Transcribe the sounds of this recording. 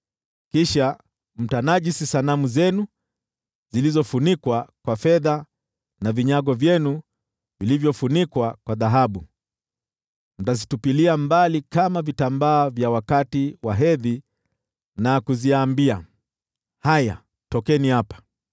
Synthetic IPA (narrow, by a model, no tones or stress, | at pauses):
kiʃa | m̩tanaʄisisanamuzɛnu | z̥ilizɔfunikwakwafɛða | naviɲaɠɔvjɛnu | vilivjɔfunikwakwaðaɦaɓu | m̩tazitupiliambalikamavitambaːvjawakatiwaɦɛði | nakuziaːmbia | haja̰ | tɔkɛnihapḁ